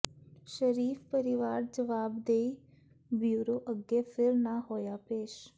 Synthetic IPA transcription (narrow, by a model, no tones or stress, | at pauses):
ʃəɾiːfpəɾɪʋaːɾd͡ʒəʋaːbd̪ei | bjuːɾoːʔəɡepʰɪɾnaɦoːjaːpeːʃ